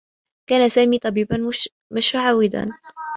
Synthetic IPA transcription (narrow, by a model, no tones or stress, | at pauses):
kaːnasaːmiːt̪ˤɑbiːban | maʃaʕawɪd̪a̰n